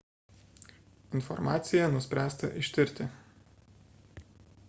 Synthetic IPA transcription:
ɪnfɔ̰ɾmɑːt̪sʲɪjɛnʊsʲpʲɾʲæːst̪ɐ̰ʔɪʃʲt̪ʲɪɾʲˑt̪ʲɪ

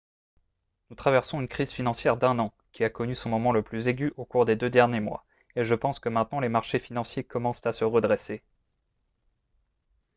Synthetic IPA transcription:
nut̪χavɛʁsɔ̃ynkχizfinɑ̃sjɛʁd̪ɛ̃nɑ̃ | kʲiakɔnysɔ̃mɔmɑ̃ləplyzeɡʲyʔokuʁd̪ed̪ød̪ɛʁnjemwa̰ | eʒəpɑ̃skəmɛ̃t̪nɑ̃lemaʁʃefinɑ̃sjekɔmɑ̃st̪asəʁəd̪ʁese

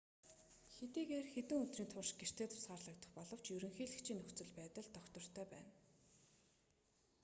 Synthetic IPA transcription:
xet̪iːɣeːrxet̪ɘ̆ŋɵt̪riːnt̪ʰʊrʃɡ̥er̥t̪ʰeːt̪ʊ̥saːrɮə̆k̚t̪ə̆χpɔɮɞ̆w̥t͡ɕjɵɾɵ̆ŋxiːɮɘ̆kt͡ɕʰiːnɵxt͡sɵ̆ɮpæːt̪ə̆ɮt̪ʰœkt̪ɞ̆r̥t̪ʰœːpæ̰ːn

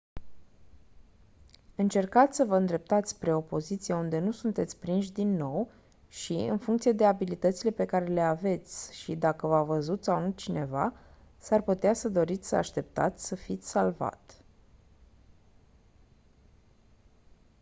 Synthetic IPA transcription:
ɨnt͡ʃe̞rkat̪sʲsəvəɨnd̪ɾe̞p̚t̪at̪sʲpɾe̞o̞po̞zit̪sijeund̪e̞nusunt̪e̞t̪sʲpɾinʃ̬d̪inːo̞w | ʃḭɨ̰nfuŋkt̪sije̞d̪e̞abilit̪ət̪sile̞pe̞kaɾe̞le̞ave̞t̪sʲʃid̪akəvavəzut̪sawnut͡ʃine̞va | sarput̪easəd̪o̞ɾit̪sʲsəa̰ʃt̪e̞p̚t̪a̰t̪sʲsəfit̪sʲsalva̰t̪

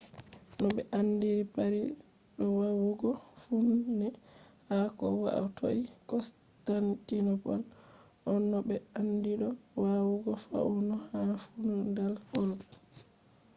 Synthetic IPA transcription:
nɔɓɛʔanːdiɾipaɾi | ɗɔwawuɡɔfunːɛ | hakɔwa̰ʔa̰tʰo̰ʔikɔs | tantinɔpɔl | ʔɔnːɔbɛandiɗɔwawuɡɔfa̰unɔhafunɔndalkɔl

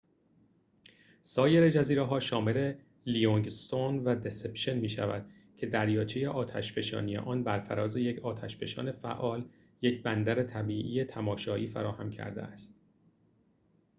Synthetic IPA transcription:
sɒːje̞ɾed͡ʒæziːɾeɦɒːʃɒːme̞le̞ | lijoŋɡst̪onvæd̪e̞sepʃenmiːʃæ̰væ̰d̪̥ | cʰe̞d̪æɾjɒːt͡ʃʰeje̞ʔɒːt̪ʰæ̰ʃfe̞ʃɒ̰ːnije̞̰ʔɒːnbæɾfæɾɒːze̞jecʰɒːt̪ʰæʃfe̞ʃɒ̰ːne̞fæ̰ʔːɒːl | jecʰbænd̪æɾet̪ʰæbiːʔijet̪ʰæmɒːʃɒːʔiːfæ̰ɾɒːhæmcʰæ̰ɾd̪ḛæst̪

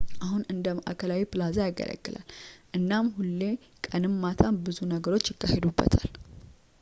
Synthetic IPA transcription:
ʔaɦunɨnd̪əmaʔakʰəlawipɨlazajaɡə̰lʔə̰ɡːɨla̰lʔɨnːamhulːe̞ | kʼənɨmːat̪ʰanbɨzunəɡəɾo̞t͡ʃːjɪkːahed̪ubːə̰t̪ʰa̰l

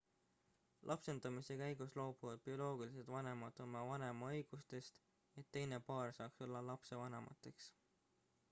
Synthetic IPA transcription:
lʔɑpse̞nd̪̥ɑmise̞kæjɡ̥uslo̞ːb̥uvɑd̪̥̚b̥io̞lo̞ːɡ̥ilise̞d̪vɑne̞mɑd̪̥o̞mɑvɑne̞mɑɤjɡ̥ust̪e̞st̪ | e̞t̪ːe̞jne̞pɑːrsɑːkso̞lːɑlɑpse̞vɑnemʔɑ̰t̪ːˑe̞ks

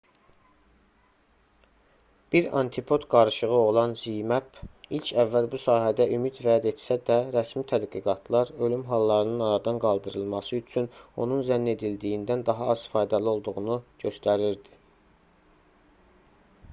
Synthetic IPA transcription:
b̥iɾɑ̰nt̪ʰipʰo̞t̪ɡɑɾɯʃɯʁɯo̞lˠɑnzijmæpilcʰævːælbusɑːɦæd̪æʔymid̪væd̪e̞t̪sæd̪æɾæsmit̪ʰæd̪ɡiɡɑt̪ʰlˠɑɾø̞lymɦɑlˠːɑɾɯnɯnɑɾɑd̪ɑnɡɑlˠd̪ɯɾɯlˠmɑsɯyt͡ʃʰyno̞nunzænːe̞d̪ild̪ijind̪ænd̪ɑɦɑɑz̥fɑːjd̪ælio̞lˠd̪uʁunuɟø̞st̪æɾiɾd̪i̥

